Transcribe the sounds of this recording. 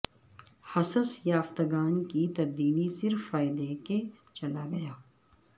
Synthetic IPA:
hɐsəsjaːft̪əɡaːnkit̪ɐb̚d̪iːlisɪɾfːaːɪd̪eket͡ʃɐlaɡɐjaː

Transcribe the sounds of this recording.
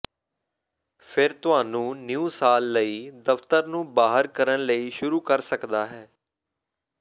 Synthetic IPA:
pʰɪɾt̪ʊɦaːnũːnjũːsaːlːəiːd̪əft̪əɾnũːbaːɦəɾkəɾənləiːʃʊɾuːkəɾsəkd̪aːɦɛː

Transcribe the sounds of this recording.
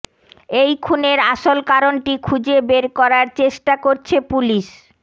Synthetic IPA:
ejkʰuneɾaʃolkaɾonʈikʰud͡ʑebeɾkɔɾaɾt͡ɕeʃʈakoɾt͡ɕʰepuliʃ

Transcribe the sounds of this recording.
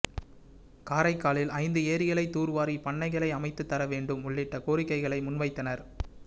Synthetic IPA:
kaːɾɐɪkːaːɭɪlɐɪnd̪ɯeːɾɪɣɐɭɐɪt̪ːuːɾʋaːɾipɐɳːɐɪɣɐɭɐɪɐmɐɪt̪ːɯt̪ːɐɾɐʋeːɳɖɯmʊɭːɪʈːɐkoːɾɪkːɐɪɣɐɭɐɪmʊnʋɐɪt̪ːɐnɐɾ

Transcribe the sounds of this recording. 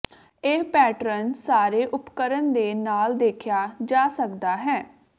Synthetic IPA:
eːpɛːʈɾənsaːɾeːʔʊpkəɾənd̪eːnaːld̪eːkʰjaːd͡ʒaːsəkd̪aːɦɛː

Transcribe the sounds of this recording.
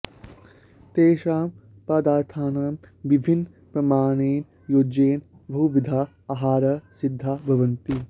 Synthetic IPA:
t̪eːʃaːm | paːd̪aːɾt̪ʰaːnaːmʋibʱinː | pɾɐmaːneːn | joːd͡ʒeːn | bʱɐɦuʋid̪ʱaː | ɐɦaːɾɐsid̪ʱːaːbʱɐʋɐnt̪i

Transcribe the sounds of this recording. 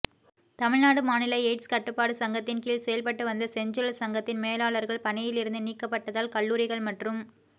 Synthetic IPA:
t̪ɐmɪɻnaːɽɯmaːnɪlɐɪeʈskɐʈːɯpːaːɽɯsɐŋɡɐt̪ːɪnkiːlsɛjɐlpɐʈːɯʋɐnd̪ɐsɛɲd͡ʒɯɾɐsɐŋɡɐt̪ːɪnmeːlaːɭɐɾɣɐɭpɐnɪjɪlɪɾɯnd̪ɯniːkːɐpːɐʈːɐðaːlkɐɭːuːɾɪɣɐɭmɐʈrɯm

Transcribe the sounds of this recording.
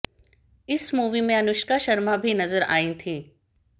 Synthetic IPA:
ɪsmuːʋimẽɐnʊʃkaʃɐɾmabʱinɐzəɾa̰ːĩt̪ʰiː

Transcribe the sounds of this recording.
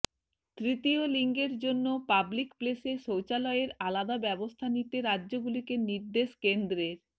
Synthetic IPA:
t̪ɾit̪ioliŋɡeɾd͡ʑonːopablikpleʃeʃowt͡ɕalɔeɾalad̪abɛbost̪ʰanit̪eɾadːʑoɡulikeniɾd̪eʃkend̪ɾeɾ

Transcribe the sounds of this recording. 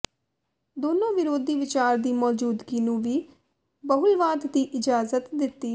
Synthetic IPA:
d̪oːnõːʋɪɾoːd̪iːʋɪt͡ʃaːɾd̪iːmɔːd͡ʒuːd̪ɡiːnũːʋiː | bəɦʊlʋaːd̪d̪iːʔɪd͡ʒaːzət̪d̪ɪt̪ːiː

